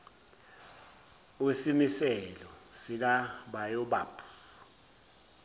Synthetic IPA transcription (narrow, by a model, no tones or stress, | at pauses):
wesimisɛlɔsik̬aɓajɔɓa̰ːpʰu̥